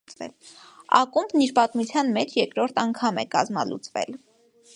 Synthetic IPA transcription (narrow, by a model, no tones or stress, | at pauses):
t͡svɛ̰l | ɑ̰kumbniɾpɑt̪mut͡sʰjɑnmɛt͡ʃʰjɛkɾɔɾt̪ʰɑŋkʰɑmɛ̰kɑzmɑ̰lṵt͡svɛ̰l